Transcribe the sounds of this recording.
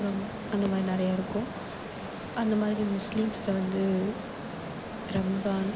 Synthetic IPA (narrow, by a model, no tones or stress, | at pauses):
ɾɐm | ɐnd̪ɐmaːðɾinɪɾɐjaːɪɾɯkːʊ̃m | ɐnd̪ɐmaːðɪɾimʊslɪmslɐʋɐnd̪ɯ | ɾɐmɐzaːn